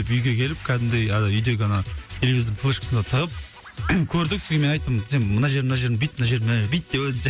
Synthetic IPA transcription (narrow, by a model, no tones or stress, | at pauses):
pʏjɡʲe̞kʲʰe̞lɪp̚kʲʰæd̪ɪnd̪ejɑd̪ɑʏjd̪e̞ɡʲɪɑnɑt̪ʰelevizt̪ʰəlˠəʃqəsənd̪ɑt̪ʰəʁəp̚ | kʲʰɵɾd̪ɪk̚sɪzɡʲeme̞nɑjt̪ːəmenmənɑʒe̞ɾmənɑʒe̞ɾbijt̪̚mənɑʒeɾmnebijt̪̚d̪ewɵd̪